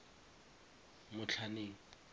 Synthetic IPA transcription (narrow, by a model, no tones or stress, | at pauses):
mʊt͡ɬʰaneːŋ̩